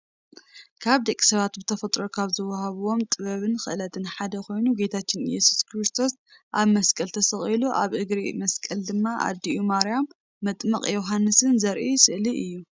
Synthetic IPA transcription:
kʰaβd̪ɐkʼːi̥sɐβat̪bɨt̪ʰɐfɐt̪ʼɾo̞kʰaβzɨwɐhaβuwo̞mt̪ʼɨβɐβɨnxɨʔlɐt̪ʰɨnħad̪ɐko̞jnuɡet̪ʰat͡ʃːɪnjɛ̰su̥skɾɨst̪ʰo̞s | ʔaβmɐskʼɐlt̪ʰɐsɐχʼiluʔa̰βʔɨɡɾimɐskʼɐld̪ɨmːaʔa̰d̪ːiʔumaɾjamː | ɐt̪ʼmɐχʼjoɦanːɨsɨnzɐɾʔisɨʔliʔɨjːu

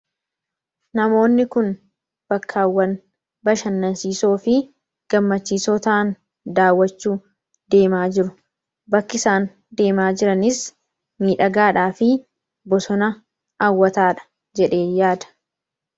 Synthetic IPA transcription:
nɐmo̞ːnːɪkʊn | b̥ɐkʰːaːwːɐn | bɐʃɐnːɐnsiːso̞ːfɪ | ɡ̥ɐmːɐt͡ʃːiːsɔt̪aːn | d̪aːwːɐt͡ʃːuː | d̪e̞ːmaːd͡ʒɪɾʊ | bɐkːɪsaːn | d̪e̞ːmaːd͡ʒɪɾɐnɪs | miːᶑɐɡaːᶑaːfɪ | bɔsɔnɐ | awːɐt̪aːᶑɐ̥ | d͡ʒɛᶑe̞ːjaːd̪ɐ̥

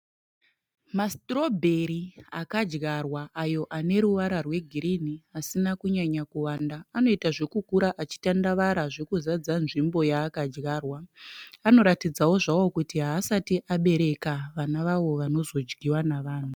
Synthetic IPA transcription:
mastro̞bʱe̞ɾiakad͡ʒɡarwaʔajo̞ʔane̞ɾuʋaɾarwe̞ɡʱiɾiniasinakuɲaɲakuwaːndaːno̞itaʐe̞kukuɾaʔat͡ʃi̥tandaʋaɾaʐe̞kuzad͡zanʐimbo̞jaːkad͡ʒɡaːrwaano̞ɾatid͡zawo̞ʐawo̞kutiɦaːsatiʔaɓe̞ɾe̞kaʋanaʋaʋo̞ʋano̞zo̞d͡ʒɡiwanaʋaːn̤u

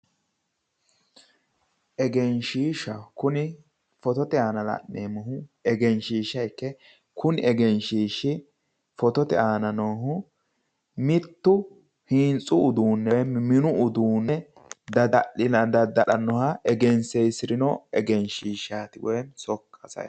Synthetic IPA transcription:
ʔɛɡɛnʃiːʃɐkʊnɪ | fɔt̪ɔt̪ɛaːnɐlɐ̰ʔneːmɐhʊɛɡɛnʃiːʃːɐjkːɛ | kʰʊnɪɛɡɛnʃiːʃɪ | fɔt̪ɔt̪ɛ̰aːnɐnɔɦʊ | mɪt̪ːʊ | hiːnt͡sʼʊːd̪uːnːɛjɛmɪnʊʊd̪uːnːɛ | d̪ɐd̪ɐʔɪnɐd̪ɐd̪ɐɗɐnːɔhɐʔɛɡɛnsɛjsɪɾɪnɔɛɡɛnʃiːʃaːt̪ɪwɔjɛnsɔkːɐsɐ̰j

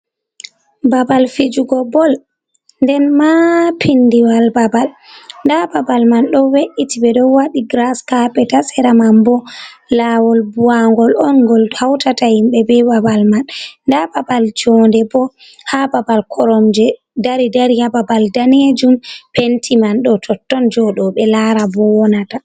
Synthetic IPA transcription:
babalfid͡ʒuɡɔbɔl | ndɛnmapʰindiwalbabalndababalmanɗɔweʔitibɛɗɔwaɗiɡɾaskapɛtasɛɾamambɔlawɔlbuaŋɡɔlɔnɡɔlhawtatahimɓɛbɛbabalmanndababald͡ʒɔndɛbɔ | hababalkʰɔɾɔmd͡ʒɛ | daɾidaɾihababaldaned͡ʒumpentimanɗɔtʰɔtːɔnd͡ʒɔɗɔɓɛlaɾabɔwɔnata

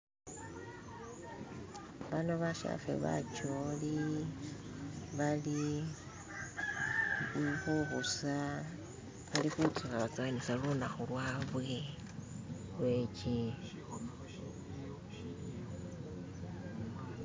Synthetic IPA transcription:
βanoβaʃa̰fḛβa̰t͡ʃoli | βali | βuβusa | βalixut͡sukaβat͡saːnisalunaxulwaːβwe | lwet͡ʃi

